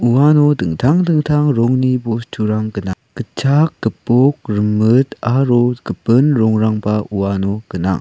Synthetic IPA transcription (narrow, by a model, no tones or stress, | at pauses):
uwanodɯŋtʰaŋdɯŋtʰaŋɾoŋnibost͡ʃʰuɾaŋkəna | kət͡ʃʰak̚ːəpok̚ɾəmɯt̪aɾokəpɯnɾɔŋɾaŋbaʔuwanokəna̰ŋ